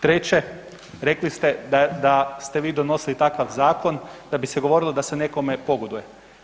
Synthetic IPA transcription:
t̪ɾet͡ɕe̞ | ɾe̞klist̪e̞d̪ad̪ast̪e̞ʋiːd̪ono̞silit̪akaʋzaːko̞nd̪̥abiseɡo̞ʋo̞ɾilˠod̪asene̞ko̞me̞po̞ɡod̪uje̞

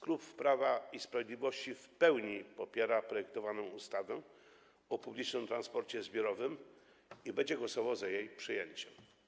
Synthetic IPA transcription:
skɾupfpɾavaispɾavʲjed̪lʲivɔɕt͡ɕifpɛwɲipɔpʲjɛɾapɾɔjɛk̚t̪ɔvanɔ̃w̃ust̪avɛ | ɔpublʲit͡ʂnɘmt̪ɾanspɔɾt͡ɕɛzbʲjɔɾɔvɘm | ibɛɲd͡ʑɛɡwɔsɔvɔzajejpʂɘjeɲt͡ɕɛm

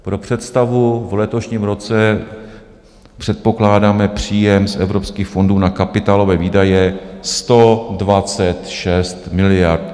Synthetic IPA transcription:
pɾo̞pr̝̥ɛt̪st̪avuvlɛt̪oʃɲiːmɾo̞t͡sɛ | pr̥ɛt̪̚po̞klaːdaːmɛpr̝̥iːjɛmsʔɛvɾo̞pskiːxfo̞nduːnakapɪt̪aːlo̞vɛːviːdajɛst̪o̞dvat͡sɛt̪ʃɛst̪mɪlɪjaɾt̪

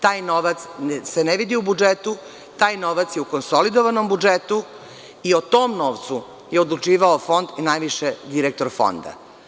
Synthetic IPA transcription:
t̪aːjnoʋat̪sseneʋid̪iubud͡ʒet̪u | t̪aːjnoʋat̪sjeuko̞nsolid̪oʋanombud͡ʒet̪u | iot̪o̞ːmno̞ːʋt̪su | jeo̞d̪lˠut͡ʂiːʋaofo̞nd̪inajʋiʃed̪iɾek̚t̪o̞ɾfo̞̰nd̪a̰

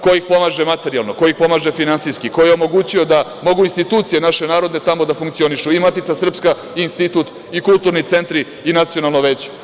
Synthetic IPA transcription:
kojixpo̞maːʒemat̪eɾialˠno̞kojixpo̞maːʒe̞finansiskikojeomo̞ɡuːt͡ɕio̞d̪amo̞ɡuinst̪it̪uːt̪sije̞naʃe̞naːɾo̞d̪ne̞t̪amo̞d̪afuŋkt̪sio̞niʃuimat̪itsasr̩pska | iːnst̪it̪ut̪ | ikulˠt̪uːɾnit̪se̞nt̪ɾiːnat̪sio̞nalˠnoʋet͡ɕe̥

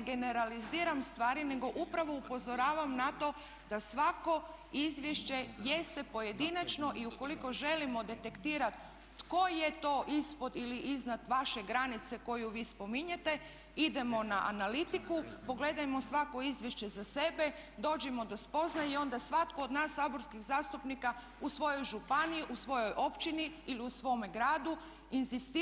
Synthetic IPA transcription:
ɡe̞ne̞ɾaliziːɾamst̪ʋaːɾine̞ɡo̞ʔupɾaʋoupo̞zo̞ɾaːʋamnat̪o̞ | d̪asʋako̞ | izʋjeʃt͡ɕe̞jest̪e̞po̞je̞d̪inat͡ʃno̞ʔiuko̞liko̞ʒe̞limo̞d̪e̞t̪e̞kt̪iːɾat̪ | ko̞je̞t̪o̞ːʔispo̞d̪iliʔiznad̪ʋaʃe̞ɡɾanit̪se̞ko̞juʋiːspo̞miɲet̪e̞ | id̪e̞mo̞naʔa̰nalit̪ikupo̞ɡle̞d̪ajmo̞sʋako̞izʋʲjeʃt͡ɕe̞zase̞be̞d̪o̞ːd͡ʑemo̞d̪ospo̞znajio̞nd̪asʋat̪koːd̪naːsːaːbo̞ɾskiɣzaːst̪upnika | usʋo̞jo̞jʒupaniiʔusʋo̞jo̞jʔo̞pt͡ʃiniiliusʋo̞ːmeɡɾaːd̪u | inzist̪i

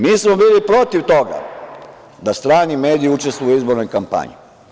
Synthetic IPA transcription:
miːsmobiːlipɾo̞t̪iʋt̪o̞ɡa̰ | d̪ast̪ɾaːnime̞ːd̪iiut͡ʃe̞st̪ʋujuizbo̞ɾnojkampa̰ɲḭ

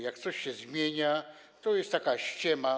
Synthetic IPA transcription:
jak̚t̪sɔɕɕɛzmʲjeɲa | t̪ɔjɛst̪t̪ːakaɕt͡ɕɛma

